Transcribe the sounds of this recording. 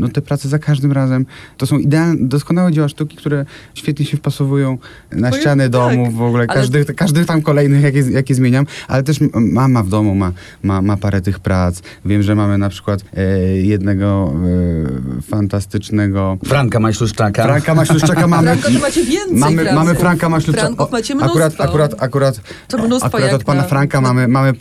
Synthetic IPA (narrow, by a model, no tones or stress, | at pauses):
nɔt̪ɛpɾat̪sɛzakaʐd̪ɘmɾazɛmt̪ɔsɔ̃w̃id̪ɛald̪ɔskɔnawɛd͡ʑawaʂt̪ukʲi̥kt̪uɾɛɕfʲjɛt̪ɲɛɕɛfpasɔvujɔ̃w̃ | naɕt͡ɕanɛd̪ɔmuvːɔɡulɛaʐd̪ɨkaʐd̪ɨt̪amkɔlɛjnɘxjak̬ʲɛjakʲɛzmʲeɲamʔa̰lɛt̪ɛʂmamavd̪ɔmuma | mamapaɾɛt̪ɘxpɾat̪s | vʲjɛmʐɛmamɘnapʂɘ̥kwat̪jɛd̪nɛɡɔ | fant̪ast̪ɘt͡ʂnɛɡɔfɾaŋkamaɕluʂt͡ʂakafɾaŋkamaɕluʂakamamɘmavɛnmamɘmamɘffɾaŋkamaɕlufaɔauɾat̪akuɾat̪akuɾat̪ | akuɾat̪ɔt̪̚panafɾaŋkamamɘmamɘ